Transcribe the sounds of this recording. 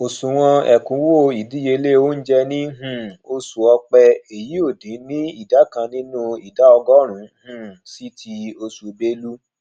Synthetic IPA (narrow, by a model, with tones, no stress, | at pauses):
o˨sũ˨w̃ɔ̃˧ɛ˨kũ˨˦wo˦˨i˨di˦je˧le˦wo˦n̩˦d͡ʒɛ˦nĩ˦ɦũ˦˨o˧su˨ɔ˧k͡pɛ˧e˨ji˨˦o˦˨dĩ˨˦nĩ˦i˦˨da˨˦kã˧nĩ˦nũ˦i˨da˨˦ɔ˧ɡɔ˦ɾ̃ũ˨˦hũ˦˨si˦tʰi˧o˧su˨be˦lu˦